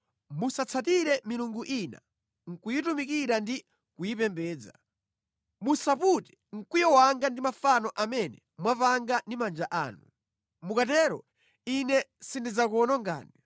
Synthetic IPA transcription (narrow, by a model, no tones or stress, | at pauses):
musat͡sʰatiɾɛmiluŋɡuʔina̰ | ŋ̩kujitumikiɾandi | kujipɛmbɛːd͡za̰ | musaputɛ̥ | ŋ̩kwijɔwaŋɡandimafanɔʔamɛnɛ | mwapaŋɡandimand͡ʒaʔaːnu | mukatɛːɾɔ̰ | inɛsindid͡zakɔnɔŋɡa̰ːni